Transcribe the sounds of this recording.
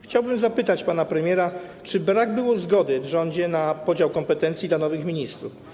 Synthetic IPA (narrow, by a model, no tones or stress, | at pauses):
xt͡ɕawbɘmzapɘt̪at͡ɕpan̪apɾɛmʲjɛɾat͡ʂɘbɾaɡbɘwɔzɡɔd̪ɘvʐɔɲd͡ʑɛnapɔd͡ʑawkɔmpɛt̪ɛnt̪sʲjid̪lanɔvɘxmʲiɲist̪ɾuf